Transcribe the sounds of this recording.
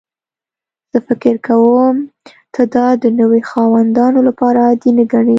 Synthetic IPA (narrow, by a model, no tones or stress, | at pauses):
z̥əfɪkɪɾkawəm | t̪ʰəd̪ɑd̪ənəwexɑwand̪ɑnolapɑɾad̪ineɡaɳe